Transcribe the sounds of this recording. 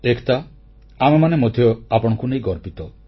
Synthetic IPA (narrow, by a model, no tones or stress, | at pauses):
ekʰt̪a | amemanemod̪ʱjɔapɔɽ̃ɔkunejɡɔɾpit̪ɔ